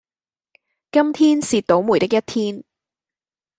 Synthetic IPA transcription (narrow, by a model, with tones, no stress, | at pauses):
kɐ˥mt̪ʰiː˥nsiː˧t̚t̪o˨˥wmuː˨˩jt̪ɪ˥k̚jɐ˥t̚t̪ʰiː˥n